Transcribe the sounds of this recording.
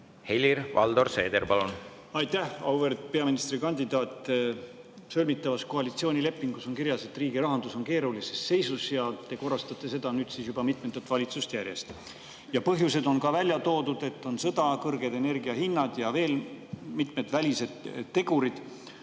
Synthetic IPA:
helʲiɾvɑ̰ld̪o̞rse̞̰ːd̪eɾpɑlun | ɑjt̪æɑwve̞rd̪̥̚pe̞ɑminist̪ɾikɑnʲd̪id̪̥ɑːt̪ˑː | sølʲmit̪ːˑɑvɑsko̞ɑlit̪sio̞ːnʲile̞pːˑiŋɡ̥uso̞nkiɾjɑse̞t̪ːriːɡiɾɑɦɑnd̪uso̞nke̞ːɾulisesːe̞jsusjɑt̪e̞ko̞rːɑst̪ɑt̪ːˑe̞se̞d̪̥ɑnyːd̪sisjub̥ɑmit̪met̪ːˑut̪ːvɑlʲit̪sust̪jæɾje̞st̪ | jɑpɤɦjuse̞d̪o̞nkɑvælʲjɑt̪o̞ːd̪ud̪̥e̞t̪ːo̞nsɤ̞d̪̥ɑkɤrɡ̥e̞d̪e̞ne̞rɡiɑɦinːɑd̪̥jɑve̞ːlmit̪me̞d̪̥vælʲise̞d̪̥t̪ːe̞ɡ̥uɾid̪̥

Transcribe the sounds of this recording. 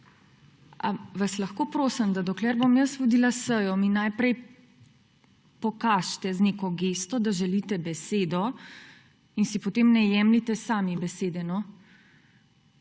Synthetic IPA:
a̰ʋaslɐxkoːpɾoːsəmd̪ad̪ɔklɛɾbomjəsʋud̪ilasəjɔminajpɾɛj | pɔkaʃt̪ɛznekɔɡest̪ɔd̪aʒɛlit̪ɛbɛseːd̪ɔ | insipɔt̪eːmnɛjɛmlit̪ɛsaːmibɛseːd̪ɛnɔ

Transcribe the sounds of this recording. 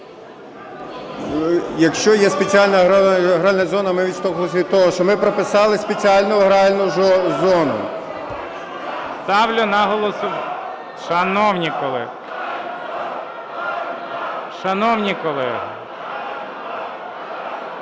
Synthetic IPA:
jɐkʃt͡ʃɔjɛspet͡sʲialʲnɐɦɦɾɑlʲnɐzɔnɐmɪʋʲist̪ɔklˠsʲit̪ɔɦɔʃt͡ʃɔmɪpɾɔpɪsɑlˠɪspet͡sʲiɑlʲnʊɦɾɑlʲnʊɔzɔnʊ̰ | st̪ɑwlʲʊnɑɦɔlˠɔsʊ | ʃɐnɔwnʲikɔlˠɛ | ʃɐnɔwnʲikɔlˠɛɦ

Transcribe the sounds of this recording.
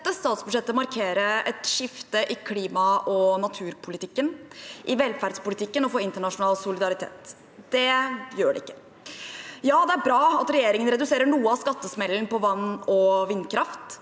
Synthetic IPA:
t̪ːəst̪ɑːt̪sbʉd̪ʂɛt̪ːəmɑɾkʰeːɾəɛt̪ʂɪft̪əʔɪkʰliːmɑʔɔnɑt̪ʰʉːɾpʰʊlɪt̪ʰɪkːənʔɪʋɛlfæɾɖspʊlɪt̪ʰɪkːənɔfoːɪnt̪əɳɑʂʊnɑːlsʊlɪd̪ɑɾɪt̪ʰḛːt̪ | d̪̥ɛjøːɖɛ̰ɪkːə | jɑːd̪ɛæɾbɾɑːɑt̪ɾɛjeːɾɪŋənɾɛd̪ʉseːɾəɳuːəɑʋskɑt̪ːəsmɛlːənpɔʋɑnːɔʋɪnːkʰɾɑft̪

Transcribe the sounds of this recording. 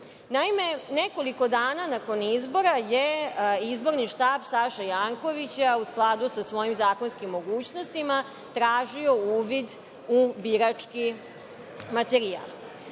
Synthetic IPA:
naime̞neko̞liko̞d̪aːnanako̞nizbo̞ɾajeizbo̞ɾniʃt̪aːbsaʃajaːŋko̞ʋit͡ɕausklˠad̪usasʋo̞jimzaːko̞nskimːo̞ɡuːt͡ɕno̞st̪ima | t̪ɾaːʒio̞uːʋid̪ | ubiɾat͡ʂki | mat̪eɾia̰ːl

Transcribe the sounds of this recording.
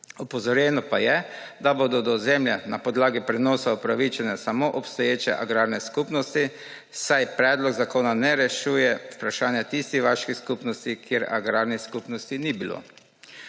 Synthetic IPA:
ɔpɔzɔɾjɛːnɔpajɛ | d̪aboːd̪ɔd̪ɔzɛmljɛnapɔd̪laːɡipɾɛnɔːsaupɾaʋit͡ʃɛnɛsamoʔɔpst̪ɔjeːt͡ʃɛ̰ʔa̰ɡɾaːɾnɛskuːpnɔst̪i | sajpɾɛːd̪lɔɡzakoːnanɛɾɛʃuːjɛupɾaʃaːnjat̪ist̪ixʋaʃkiskupnɔst̪ikjeɾa̰ɡɾaːɾniskupnɔst̪inibilo̰ː

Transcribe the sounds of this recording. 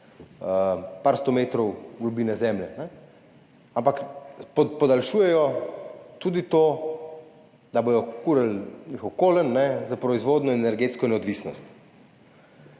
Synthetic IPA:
əpaːɾst̪ɔmeːt̪ɾɔwɡlɔbiːnɛzɛːmlɛnɛ | ampakppɔd̪alʃuːjɛjɔ | t̪uːd̪it̪o | d̪aboːjɔkuɾəlnixɔwkoːlənːɛzapɾɔizʋoːd̪nɔɛnɛɾɡet̪skɔnɛɔd̪ʋisnɔst̪

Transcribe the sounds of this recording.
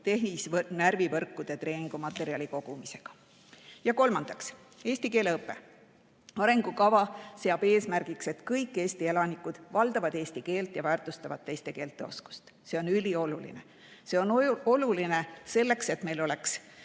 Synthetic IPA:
t̪e̞ɦnisvnærvivɤrkːud̪̥et̪re̞ːniŋɡ̥umɑt̪ːˑe̞ɾiɑliko̞ɡ̥umise̞̥ɡ̥ɑ̥ | jɑko̞lmɑnd̪̥ɑks | e̞ːst̪ike̞ːle̞ɤpːe̞̰ | ɑɾe̞ŋɡ̥ukɑvɑse̞ɑb̥e̞ːsmærɡ̥ikse̞t̪kɤjkˑːe̞ːst̪ie̞lɑnikːˑud̪̥vɑld̪̥ɑvɑd̪e̞ːst̪ike̞ːlt̪ˑjɑvæːrt̪ˑust̪ɑvɑ̰d̪̥̚t̪ːe̞jst̪e̞ke̞ːlt̪ˑːe̞o̞sku̥st̪ | se̞onylio̞lulḭne | se̞o̞no̞luline̞se̞lːe̞kse̞t̪me̞jlo̞le̞ks

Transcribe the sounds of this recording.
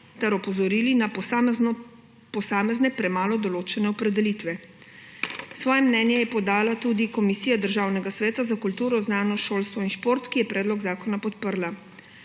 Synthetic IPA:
t̪ɛɾɔpɔzɔɾiːlina | pɔsaːmɛznɛpɾɛmaːlɔd̪ɔloːt͡ʃɛnɛɔpɾɛd̪ɛlit̪ʋɛ | sʋɔːjɛmnɛnjɛjɛpɔd̪aːlat̪uːd̪ikɔmisiːjad̪əɾʒaːwnɛɡasʋɛːt̪azakult̪uːɾɔznaːnɔʃoːlst̪ʋɔinʃpoɾt̪kijɛpɾɛːd̪lɔɡzaːkɔnapɔt̪pəɾla

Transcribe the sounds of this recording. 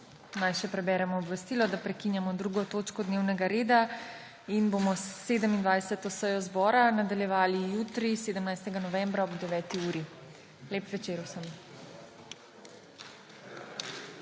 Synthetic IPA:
najʃɛpɾɛbɛːɾɛmɔːbʋɛst̪iːlɔd̪apɾɛkinjamɔd̪ɾuɡɔt̪oːt͡ʃkɔd̪neːwnɛɡaɾeːd̪a | inbomɔseːd̪əmind̪ʋajsɛt̪ɔsəjɔzbɔːɾanad̪aljɛʋaːlijut̪ɾiseːd̪əmnajst̪ɛɡanɔʋɛ̃mbɾaɔbd̪ɛʋɛːt̪iuːɾi | leːpʋɛt͡ʃeːɾwsəm

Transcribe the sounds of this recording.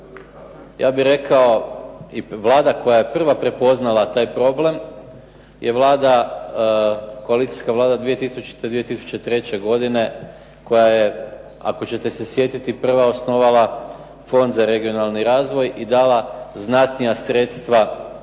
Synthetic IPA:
jʔa̰ːbiɾe̞kao̞iʋlˠaːd̪ako̞jaje̞pr̩ʋapɾe̞po̞znalˠat̪aːjpɾo̞ble̞m | jeʋlˠaːd̪a | ko̞alit̪i̥jskaʋlˠaːd̪ad̪ʋije̞t̪isut͡ɕi̥t̪ed̪ʋije̞t̪isu̥t͡ɕe̞t̪ɾe̞t͡ɕe̞ɡo̞d̪ine̞ | ko̞jaje | a̰ko̞t͡ɕe̞t̪e̞se̞sje̞t̪it̪ipr̩ʋao̞sno̞ʋala | fo̞nd̪zaɾe̞ɡio̞nalˠniɾaːzʋo̞jid̪aːlaznat̪nijasɾe̞t̪st̪ʋa

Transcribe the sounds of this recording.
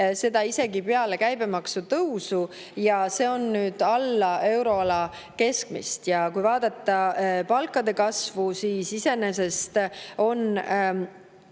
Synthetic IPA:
se̞d̪ɑise̞ɡipeɑle̞kæjb̥e̞mɑksut̪ɤwsu | jɑse̞ːo̞nːyːd̪̥ɑlːɑe̞wɾo̞ɑlɑ | ke̞skmḭst̪jɑkujvɑːd̪̥ɑt̪ˑːɑpɑlkːˑɑd̪e̞kɑsvusiːsise̞ne̞se̞st̪o̞n

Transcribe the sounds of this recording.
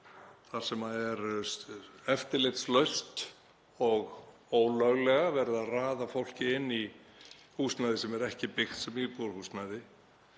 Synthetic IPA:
θaɾ̥sɛmaɛɾ | ɛft̪ɪɾlɛɣt̪slœɥst̪ | ɔɣ | oːwlœɣlɛɣavɛɾɪðaðraːðafowl̥cɪɪnːi | huːsnajðɪsɛmɛɾɛhcɪpɪxt̪sɛmipɔɾhusnajðɪ

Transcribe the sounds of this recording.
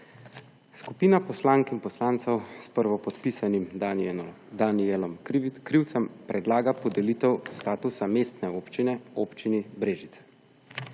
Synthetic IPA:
skupiːnapɔslaːŋkinpɔslaːnt̪sɛwspəɾʋɔpɔt̪pisanim | d̪anielɔmkɾiwt̪sɛmpɾʔɛd̪laːɡapɔd̪ɛlit̪ɛwst̪aːt̪usameːst̪nɛoːpt͡ʃinɛoːpt͡ʃinibɾeːʒit̪sɛ̥

